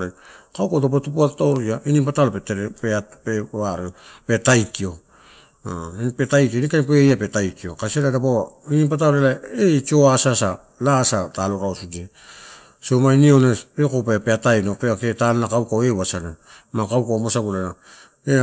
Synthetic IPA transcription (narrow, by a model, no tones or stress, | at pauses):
akawkatop̬etupuattoɾiainiŋpatalopetpeapeaɾeope̞tajkio̞ | npetajkionikajp̬ejape̞tajkio̞kaseɾadapoinimpatalelaet͡ʃioasasa | lasataloɾaosudie | somainioneɾekopepeatajnopeaketannakawkawewasana | makawkomosaɡulana | e